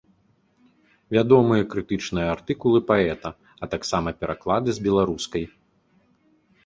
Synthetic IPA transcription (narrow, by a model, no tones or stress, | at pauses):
vʲad̪ɔmɨjɐkɾɨt̪ɨt͡ʂnɨjɐart̪ɨkulˠɨpaɛt̪ɐ | ɐt̪aksamɐpʲɛɾʔaklˠad̪ɨzbʲɛlˠaɾuskɐj